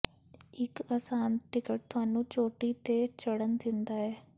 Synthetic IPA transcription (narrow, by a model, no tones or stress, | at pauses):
ɪkɐːsãːnʈɪkəʈ̚t̪ʊaːnũt͡ɕoːʈit̪et͡ɕɐɽənɪ̆t̪ʰĩːnd̪aːɦeː